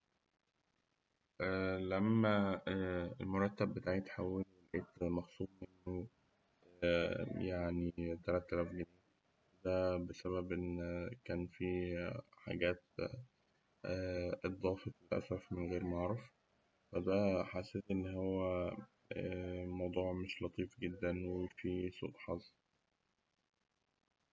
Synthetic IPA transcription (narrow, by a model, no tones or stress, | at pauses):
ʔælæmːæ | elmoɾˤɑt̪ːæbːet̪aːʕit̪ħawːelwelʕeːt̪mæxsˤuːmmenːo | jaʕnit̪æɾæt̪ːælæfɡæneː | d̪æbesæβæbʔenːkæːnfiħa̰ɡæːt̪̚ | ʔed̪ˤɑːfefelʔæ̰sɾˤɑfmenɣeːɾmɑʕɾˤɑf | fæd̪æħaseːt̪ʔenːhowwːæ | mɑwd̪ˤuːʕmeʃlɑt̪ˤiːfɡed̪ːænwefisˤṵt̪ħɑzˤ